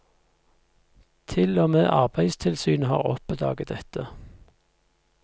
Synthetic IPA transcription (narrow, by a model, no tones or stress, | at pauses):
t̪ʰɪloːmeːʔɑʁbæɪst̪ʰɪlsyːnəhɑ̰ːʁɔ̰pd̪ɑ̰ːɡəd̪ɛt̪ʰə